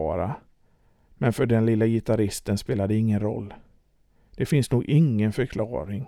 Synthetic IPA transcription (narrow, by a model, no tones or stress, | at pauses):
ɑːɾa̰ | mɛnfœɖɛnlɪlːajɪt̪ʰaɾɪst̪ənspeːlad̪ɛɪŋːənɾɔ̰lː | d̪̥ɛfɪnsnuːɡʔɪŋːənfœɾkʰlɑ̰ːɾɪŋ